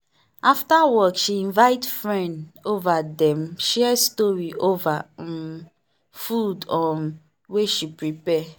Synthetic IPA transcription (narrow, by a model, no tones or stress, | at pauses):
aftawɔkʃiĩnvaɪtfɹɛ̃ndovadɛ̃mʃɛstɔɹiova | fudɔ̃n | weʃipɹipɛ